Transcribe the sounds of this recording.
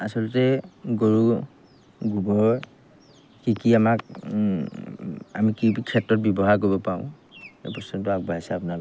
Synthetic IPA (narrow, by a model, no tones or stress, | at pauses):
asɔltɛɡoɹu | ɡubɔɹ | kikiamak | a̰mikibikʰɛtɹɔt̚bjɔbɔɦaɹk̬ojbɔpaʊ̃ | ɛpɔstɔnt̬ɔak̚bʱaisaːpuna